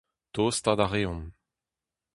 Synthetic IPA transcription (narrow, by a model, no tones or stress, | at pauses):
t̪oːst̪ad̪aʁeːɔ̃n